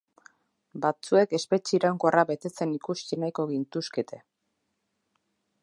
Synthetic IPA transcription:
bat͡sue̞ke̞spe̞t͡ʃiːɾawŋko̞araβe̞t̪e̞t͡se̞nikust̪inajko̞ɣint̪usket̪e̞

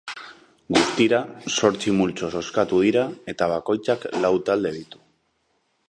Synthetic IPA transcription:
ɡust̪iɾaso̞ɾt͡simult͡so̞so̞skat̪uð̞iɾae̞t̪aβ̞ako̞jt͡saklawt̪ald̪e̞ð̞it̪u̥

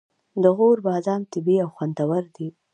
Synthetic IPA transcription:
d̪əɣoɾbɑːzɑmt̪ɪbiawxwand̪awaɾd̪i

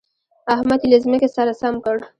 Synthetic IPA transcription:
ahmat̪ilezmekesaɾasamkəɽ

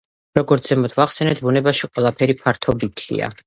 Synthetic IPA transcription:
ɾɔɡɔɾt̪zɛmɔt̪ʰvaχsɛnɛt̪̚ʰbunɛbaʃiqʼwɛlˠapʰɛɾipʰaɾt̪ʰɔbit̪ʰḭa̰

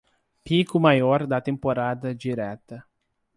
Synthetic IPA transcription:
pikʊmajɔɾd̪ɐt̪ẽmpoɾad̪ɐd͡ʒiɾɛt̪ɐ

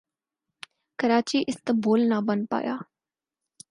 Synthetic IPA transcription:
kəɾaːt͡ʃiːʔɪst̪əboːlnaːbənpa̰ːja̰ː

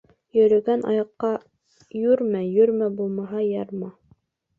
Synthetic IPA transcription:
jɵ̆ɾɘ̆ɡænɑ̰jɑqːɑ | jɵɾmæjɵɾmæbulˠmɑɦɑjɑɾmɑ

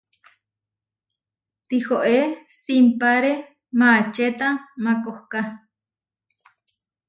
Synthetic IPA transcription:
t̪ihoʔesimpaɾe | mat͡ʃet̪amakohka

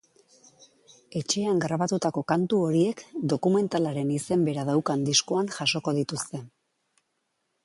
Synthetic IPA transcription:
e̞t͡ʃe̞aŋɡɾaβat̪ut̪ako̞kant̪uo̞ɾie̞kd̪o̞kume̞nt̪alaɾe̞nise̞mbe̞ɾaðawkand̪iskoanʝaso̞ko̞ðit̪ust̪e̞

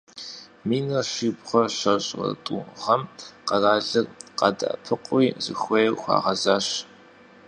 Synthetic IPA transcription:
miːnɐɕʷiːbʁɐrɕɐɕʼɐ̰tʼṵʁɐmqɐraːɮɐrqɐ̰dɐ̰ʔpʰɨqʼʷiːzɨ̰xʷɔjɛwxʷɑ̰ːʁɐzaːɕ

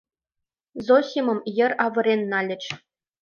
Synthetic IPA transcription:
zosʲimɤ̆mjɘ̆rɑʋɤ̆ɾʲenːɑlʲɘ̆t͡ɕ

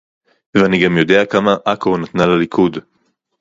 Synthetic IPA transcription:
veaniɡamjo̞d̪e̞akamaʔakonat̪nalalikʰud

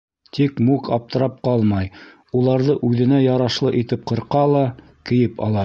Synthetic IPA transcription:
t̪ikmukɑp̚t̪ɤ̆ɾɑp̚qɑlˠmɑj | ulˠɑɾðɤʔʉðɘ̆næjɑɾɑʃlˠɤʔit̪ɘp̚qɤ̆ɾqɑlˠɑ | kɘ̆jɘpʰɑ̰lˠɑ

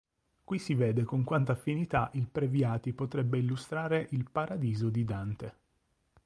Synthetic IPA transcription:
kwisiveːd̪ekoŋkwant̪aːfːinit̪aʔilpɾevjaːt̪ipot̪ɾɛbːeilːust̪ɾaːɾeʔilpaɾad̪iːzod̪id̪ant̪e

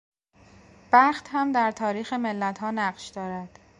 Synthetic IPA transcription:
b̥æχt̪hæmd̪æɾt̪ʰɒːɾiːxeme̞lːæt̪ʰhɒːnæɢʃd̪̥ɒːɾæd̪̥

